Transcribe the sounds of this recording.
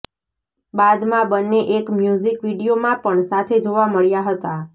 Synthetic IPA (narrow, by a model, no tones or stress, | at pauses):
bad̪mãbənːeʔekmjuzikʋiɽijomãpəɳsat̪ʰed͡ʒoʋaməɭjaɦət̪a